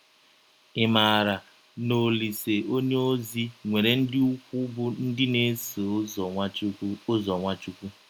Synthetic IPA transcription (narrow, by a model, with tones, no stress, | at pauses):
ɪ˨maː˨ɾa˨ | no˨li˨se˨o˦ɲe˦o˦zi˦ŋʷe˨ɾe˨n̩˦dɪ˦u˦kʷu˦bʊ˦n̩˦dɪ˦ne˦so˨˦ | o˦zɔ˨ŋʷa˦t͡ʃu˦kʷu˦